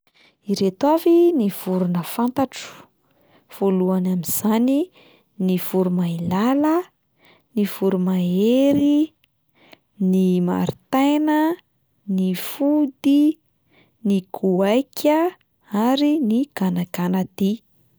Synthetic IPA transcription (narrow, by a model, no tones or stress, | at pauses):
iɾet̪waviniv̥uɾunəfant̪aʈ͡ʂu̥ | v̥oluanamiz̥ani | niv̥uɾumailalə | niv̥uɾumaeɾi | nima̰ɾit̪ajnə | nifud̪i | nikʰuajkʰʲə | aɾiniɡ̥anaɡanad̪i